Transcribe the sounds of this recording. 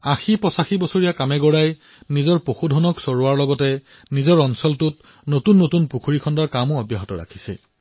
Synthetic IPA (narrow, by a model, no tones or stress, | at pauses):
axipɹɔsaxibɔsoɹijakamɛɡɔɹaj | nizɔɹpoxudʱɔnɔksɔɹuwaɹlɔɡɔtɛ | nizɔɹɔnsɔltʊt | notunːotunpukʰuɹikʰɔndɔɹkamʊɔbjaɦɔtɔɹa̰kʰi̥sɛ̰